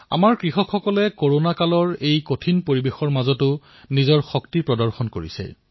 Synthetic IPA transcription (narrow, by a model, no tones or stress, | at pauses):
a̰maɹkɹixɔkʰxɔkɔlɛkoɹonakalɔɹejkotʰinpoɹibexɔɹmazɔtʊ | nizɔɹxɔktipɹɔdɔɹxɔnkoɹḭsɛ̰